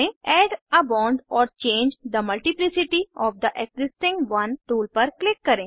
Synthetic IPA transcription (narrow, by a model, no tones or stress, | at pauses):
ẽɛːɖɐbãʊɳɖɔːɾt͡ʃẽːɲd͡ʒd̪əmɐlʈiplisɪʈiɔːʋd̪əʔekzɪsʈɪ̃ŋɡʋɐ̃nʈuːlpɐɾklɪkːɐɾẽ